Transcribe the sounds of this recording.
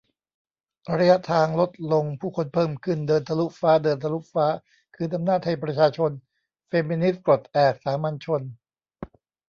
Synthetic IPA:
ɾa˧ja˦˥ʔt̪ʰaː˧ŋlo˦˥t̪̚lo˧ŋpʰuː˥˩kʰo˧npʰɤː˥˩mkʰɯ˥˩ndɤː˧nt̪ʰa˧lu˦˥faː˦˥dɤː˧nt̪ʰa˧lu˦˥faː˦˥ | kʰɯː˧t̪ʰa˧mnaː˥˩t̪̚ha˧˩jpɾa˧t͡ɕʰaː˧t͡ɕʰo˧n | feː˧mi˧ni˦˥s̚kɾo˨˩t̪̚ʔɛː˨˩t̚saː˩˦ma˧nt͡ɕʰo˧n

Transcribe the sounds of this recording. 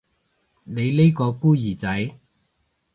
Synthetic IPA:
ne˨˧jle˥jkɔː˧kuː˥jiː˨˩t͡sɐ˨˥j

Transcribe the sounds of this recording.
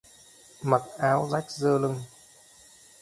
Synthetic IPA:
ma˨˩t̚ʔaː˨˦wza˦˥jk̚zəː˧lɨ˧ŋ

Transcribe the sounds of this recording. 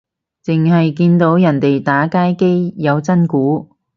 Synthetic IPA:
t͡sɪ˨ŋɦɐ˨jk̬iː˧nt̪o˨˥wjɐ˨˩nt̪e˨jt̪aː˨˥kaː˥jke˥jjɐ˨˧wt͡sɐ˥nkuː˨˥

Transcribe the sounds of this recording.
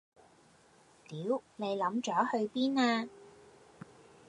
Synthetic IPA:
t̪iː˨˥wne˨˧jlɐ˨˥mt͡ʃɔː˨˥hɵ˧ɥpiː˥naː˧

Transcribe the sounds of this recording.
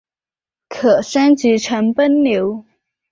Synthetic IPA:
kʰɤ˨˩ʂa˥nt͡ɕi˧˥ʈ͡ʂʰə˧˥ŋpə˥nljo˧˥ʊ

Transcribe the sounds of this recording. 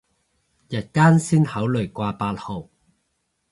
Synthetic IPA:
jɐ˨˩t̚kaː˥nsiː˥nhɐ˨˥wlɵ˨˩jkwaː˧paː˧t̚ho˨˩w

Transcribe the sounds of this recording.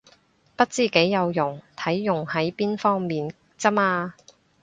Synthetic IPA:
pɐ˥t̚t͡siː˥ke˨˥jːɐ˨˧wjʊ˨˩ŋt̪ʰɐ˨˥jːʊ˨˩ŋhɐ˨˥jpiː˥nfɔː˥ŋmiː˨n | t͡sɐ˥maː˧

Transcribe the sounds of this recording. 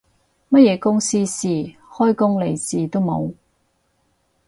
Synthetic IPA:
mɐ˥t̚jɛː˨˧kʊ˥ŋsiː˥siː˨˩hɔː˥jkʊ˥ŋle˨˩jsiː˨t̪o˥wmo̰˨˧w

